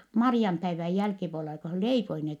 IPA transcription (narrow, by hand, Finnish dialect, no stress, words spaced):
mɑriɑmpæiʋæj jælkipuolelɑ ko hæ leipoi net